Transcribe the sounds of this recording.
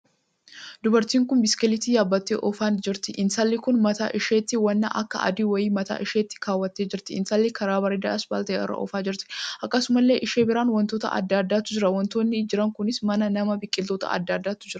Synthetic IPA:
d̪ʊbɐɾt̪iːŋkʊnbɪskɛlɪt̪iːjaːbːɐt̪ːeːʔɔfaːnd͡ʒɪɾt̪ɪʔɪnsɐlːɪkʊnmɐt̪a̰ːʔɪʃeːt̪ːɪwɐnːa̰ʔɐ̰kːɐ̰ʔɐ̰d̪iːwɐjiːmɐt̪a̰ːʔɪʃe̞ːt̪ːɪ̥kaːwːɐt̪ːeːd͡ʒɪɾt̪ɪɪnsɐlːɪkɐɾaːbɐɾɪd̪ɐ̰ʔɐsba̰ːlt̪ɐeːʔɐ̰rːɐ̰ʔɔ̰faːd͡ʒɪɾt̪ɪ̥ʔɐkːɐsʊmɐlːe̞ːʔɪʃeːbɪɾaːnwɐnt̪oːt̪ɐ̰ʔɐ̰d̪ːaːd̪ːaːt̪ːʊd͡ʒɪɾɐwɐnt̪o̞ːnːɪd͡ʒɪɾɐŋkʊnɪsmɐnɐnɐmɐbɪkʼːɪlt̪oːt̪ɐ̰ɐ̰d̪ːaːd̪ːaːt̪ːʊd͡ʒɪɾɐ

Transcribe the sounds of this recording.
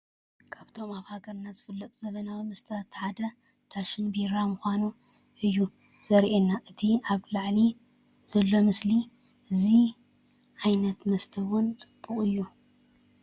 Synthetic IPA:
kʰaβt̪ʰo̞maβhaɡɐɾnazɨfɨlːɐt̪ʼuzɐβɐnawimɨst̪ʰɐt̪ʰːħad̪ɐ | d̪̥ʰaʃɨnbiɾamuxʷanu | ʔɨjːu | z̥ɐɾʔenːaʔɨt̪ʰiaβlaʕli | z̥ɐlːo̞mɨsli | ʔɨzi | ʕajnɐt̪mɐst̪ʰɐwʊnt͡sʼɨb̥ːuχʼɨjːu

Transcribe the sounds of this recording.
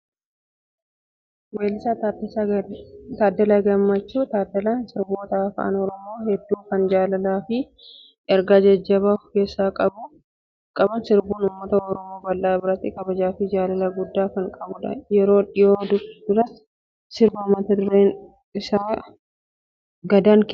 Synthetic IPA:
weːlɪsa | t̪aːd̪ːɐlaɡɐmːɐt͡ʃːuːt̪aːd̪ɐlansɪɾboːt̪ɐɐfʔa̰nɔɾɔmo̞ːhɛd̪ːuːkɐnd͡ʒaːlɐlaːfɪ | ɛɾɡaːd͡ʒɐd͡ʒːɐbaːfkeːsːaːkʼɐbʊ | kʼɐbɐnsɪɾbuːnʊmːɐt̪ɐɔɾɔmo̞ːbɐlːaːbɪɾɐt̪ːɪkʼɐbɐd͡ʒaːfɪd͡ʒaːlɐlɐɡʊd̪ːaːkɐŋkʼɐbʊᶑɐ̰jɛɾo̞ːᶑɪjoːd̪ʊd̪ʊɾɐs | sɪɾbɐʊmːɐt̪ɐd̪ʊɾeːn | ɪsaː | ɡɐd̪aːŋkː

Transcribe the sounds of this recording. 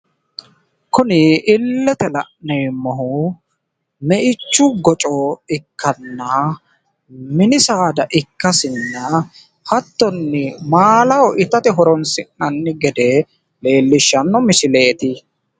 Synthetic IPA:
kʊnɪʔɪlːɛt̪ɛlɐʔnɛjmːɔɦʊ | mɛʔɪt͡ʃːʊɡɔt͡ʃʼɔɪkːɐnːɐ | mɪnɪsaːd̪ɐʔɪkːɐsɪnːɐ | hɐt̪ːɔnːɪmaːlɐwɔʔɪt̪ɐt̪ɛɦɔɾɔnsɪʔɐnːɪɡɛd̪ɛ | le̞ːlːɪʃːɐnːɔmɪsɪle̞ːt̪ɪ

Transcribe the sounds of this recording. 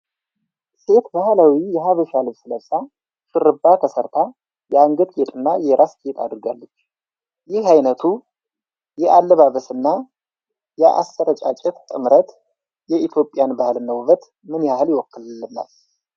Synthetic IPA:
se̞t̪bahlawijɛɦaβəʃalɨβsɨləsʼa | ʃɨrɨbːat̪ʰəsəɾt̪ʰa | jɛaŋɡəd̪ɡet̪ʼɨnːajɛɾʔaskʼet̪ʰa̰d̪ɾɨɡalːət͡ʃː | jɪhajnət̪ʰu | jɛʔalːəβaβəsɨnːa | jɛʔa̰st̪əɾət͡ʃʼat͡ʃʼɛt̪t̪ʼɨmɾət̪ | jɛʔit̪ʰjo̞pʼːjanbahɨlnəwβət̪ | mɨnjahɨljɪwɔkːɨɨnːa̰l

